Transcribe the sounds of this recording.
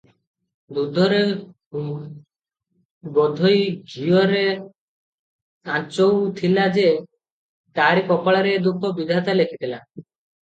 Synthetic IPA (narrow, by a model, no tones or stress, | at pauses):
d̪ud̪ʱɔɾe | bɔd̪ʱojɡʱiɔɾe | ãt͡ʃowt̪ʰilad͡ʒe | t̪aɾikɔpɔɭaɾed̪ukʰɔbid̪ʱat̪alekʰit̪ʰila